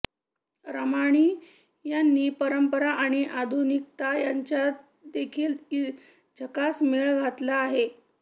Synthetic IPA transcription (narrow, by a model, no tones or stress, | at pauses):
ɾəmaɽ̃iː | janːiːpəɾəmpəɾaʔaɽ̃iʔad̪ʱunik̚t̪ajaɲt͡ɕja | d̪ekʰiːl | d͡ʑʱəkasmeɭɡʱat̪laːɦe